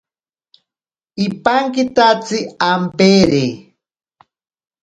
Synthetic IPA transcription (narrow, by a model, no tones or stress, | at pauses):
ipaŋkit̪at͡siampeɾe